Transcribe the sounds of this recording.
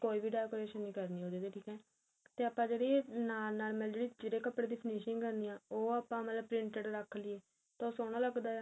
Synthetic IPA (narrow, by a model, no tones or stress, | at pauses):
koːiːbiːɖaːjkoːɾeːʃənːĩːkəɾniːɦoːd̪iːd̪eːʈʰiːkɛː | t̪eːaːpːãːd͡ʒeːɽiːnaːlnaːɾməld͡ʒeːɽiːd͡ʒeːɽeːkəpːɽeːd̪iːpʰɪneːʃɪŋɡkəɾniːãːoːaːpãːmət̪ləb̚pɾɪɳʈəɖɾəkʰːliːeː | t̪ãoːsoːɽ̃aːləɡd̪aː